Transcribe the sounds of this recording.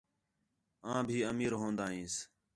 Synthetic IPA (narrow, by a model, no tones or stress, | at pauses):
ãːbʱiːəmiːɾɦõːnd̪aːɦĩːs